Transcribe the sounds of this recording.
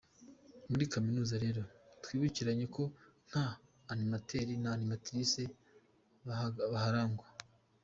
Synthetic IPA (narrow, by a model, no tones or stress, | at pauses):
muɾikaminuːzaɾe̞ɾo̞twiːβuciɾaɲe̞kʰo̞ŋ̥haː | nimatʰeɾinanimatiɾise | βahaɾaːŋɡwa